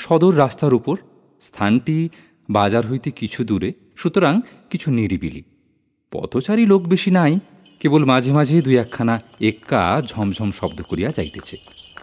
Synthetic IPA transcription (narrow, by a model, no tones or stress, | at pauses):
ʃɔd̪oɾːast̪aɾupoɾ | st̪ʰanʈi | bad͡ʑaɾɦojt̪ekit͡ɕʰud̪uɾe | ʃut̪oɾaŋ | kit͡ɕʰuniɾibḭlḭ | pɔ̰t̪ʰot͡ɕaɾilokbeʃinaj | kebolmad͡ʑʱemad͡ʑʱed̪ujɛkʰːanaekːa̰d͡ʑʱɔmd͡ʑʱɔmʃɔbd̪okoɾijad͡ʑajt̪et͡ɕʰe